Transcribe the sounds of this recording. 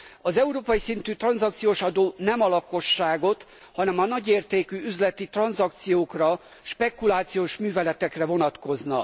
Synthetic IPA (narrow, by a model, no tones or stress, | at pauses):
ɒzɛuɾoːpɒjisint̪yːt̪rɒnzɒkt̪sijoːʃɒd̪oːnɛmɒlɒko̞ʃːaːɡo̞t̪ | hɒnɛmɒnɒɟeːrt̪eːkyːyzlɛt̪it̪rɒnzɒkt̪sijoːkrɒ | ʃpɛkulaːt̪sijoːʃmyːvɛlɛt̪ɛkrɛvo̞nɒt̪ko̞znɒ